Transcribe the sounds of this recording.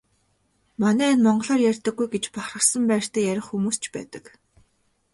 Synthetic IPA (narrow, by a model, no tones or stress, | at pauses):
manæːnmɔɴɢɞ̆ɮɔːrjærʲt̪ə̆ɡːujɡet͡ɕpaχrə̆sə̆mpæːr̥ʲt̪ʰæːjæɾʲɪ̆χxumuːst͡ɕʰpæ̰ːt̪ə̥̆k